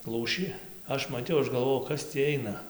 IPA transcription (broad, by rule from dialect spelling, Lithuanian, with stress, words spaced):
ˈlˠuːʃʲiː ˈɐʃ mɐˈtʲɛʊ ˈɐʃ ɡɐlˠˈʋoːjɛʊ ˈkɐs tʲiː ˈɐɪnɐ